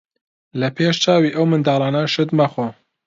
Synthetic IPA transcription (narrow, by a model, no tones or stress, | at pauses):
lɐpʰeːʃt͡ʃɑːwiːʔɐwmɨnd̪ɑːlˠɑːnɐʃɨd̪mɐxo